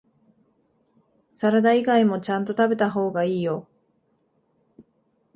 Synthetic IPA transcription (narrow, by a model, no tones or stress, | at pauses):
saɾad̪aiɡaimo̞t͡ɕãnt̪o̞t̪abe̞t̪aɦo̞ːɡaiːjo̞